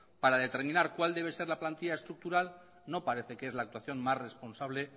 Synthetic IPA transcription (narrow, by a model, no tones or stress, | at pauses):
paɾað̞e̞t̪e̞ɾmĩnaɾkwald̪e̞β̞e̞se̞ɾlaplant̪iʎaest̪ɾuk̚t̪uɾal | no̞paɾe̞θe̞keezlaːk̚t̪waθjo̞nmasre̞spo̞nsaβ̞le